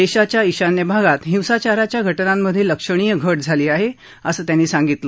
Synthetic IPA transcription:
d̪eɕat͡ɕjaiɕanːəbʱaɡat̪ɦiwsat͡ɕaɾat͡ɕjaɡʱəʈnamːəd̪ʱːjeləkʂəɽ̃ijəɡʱəʈd͡zʱaliːaɦe | əsəːt̪janːiːsãŋɡit̪lə

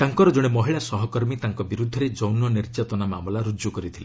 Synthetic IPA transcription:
t̪aŋkɔɾɔd͡ʒoɽ̃emɔɦiɭasɔɦɔkɔɾmit̪aŋkɔbiɾud̪ʱːɔɾed͡ʒɔwnɔniɾd͡ʒat̪ɔnamamɔlaɾud͡ʒjukɔɾit̪ʰile

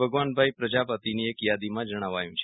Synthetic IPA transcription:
bʱəɡʋanbʱajpɾəd͡ʒapət̪iniekjad̪imãd͡ʒəɽ̃aʋajũt͡ʃʰ

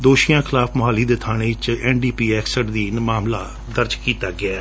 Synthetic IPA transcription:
d̪oːʃijãːkʰɪlaːpʰmʊɦaːliːd̪eːt̪ʰaːɽ̃eːɪt͡ʃɛːnɖiːpiːɛːksəʈd̪iːnmaːmlaː | d̪əɾd͡ʒkiːt̪aːɡɪaː

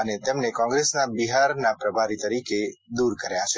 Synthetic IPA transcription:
ənet̪emnekɔ̃ŋɡɾesnabiɦaɾnapɾəbʱaɾit̪əɾiked̪uɾkəɾjat͡ʃʰe

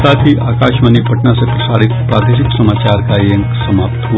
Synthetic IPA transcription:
sat̪ʰiʔaːkaːʃmanipəʈnasepɾəsaɽit̪pɾad̪eʃiksəmat͡ʃaɾkaəŋksəmapt̪ɦu

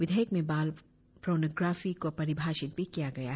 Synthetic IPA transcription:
ʋɪd̪ʱəjəkmẽbaːl | pɾoːnoɡɾaːfikopɐɾɪbʱaːʃɪt̪pekijaɡɐja

